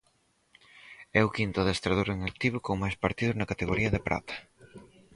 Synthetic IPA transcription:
ɛʊkint̪ʊaðest̪ɾaðuɾeŋak̚t̪iβʊkoŋmajspaɾt̪iðʊznɐkat̪eɣoɾiɐðepɾʔa̰t̪ɐ̥

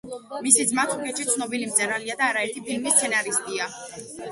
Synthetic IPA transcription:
misid̪zmat̪ʰukʼɛt̪ʃit̪sʰnɔbilimt̪zʼɛɾaliad̪aːɾaɛɾt̪ʰipʰilmist̪sʰɛnaɾist̪ʼia

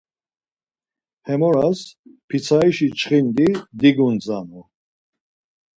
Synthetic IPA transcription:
hɛmɔɾaspʰit͡sʰaiʃit͡ʃʰχind̪id̪iɡunt͡sʼanu

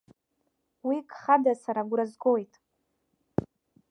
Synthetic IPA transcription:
wikʼχadasaɾaɡʷɾazɡojtʼ

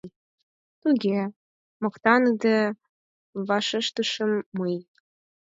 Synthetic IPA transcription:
t̪uɡʲe | mŏkt̪ɑnəd̪e | βɑʃəʃt̪əʃə̆mːəj

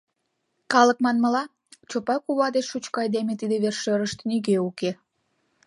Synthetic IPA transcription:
kɑlək̚mɑnməlɑ | t͡ɕopɑkuβɑd̪eʃut͡ɕkɑjd̪emet̪id̪eβerʃøɾəʃt̪nyɣeuke

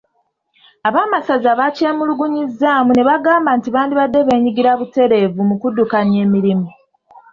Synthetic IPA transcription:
aβaːmasazaβace̞ːmuluɡuɲizːaːmune̞βaɡaːmbaːntiβaːndiβadːe̞βe̞ːɲiɡiɾaβute̞ɾe̞ːvumukudːukanje̞ːmiɾimu

